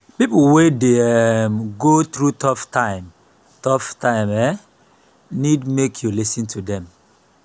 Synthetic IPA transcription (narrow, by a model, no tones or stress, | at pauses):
pipuwedemɡoθɹutʰɔftãɪ̃m | tɔftãɪ̃mɛ | nidmekʰjulisĩntʰudɛ̃m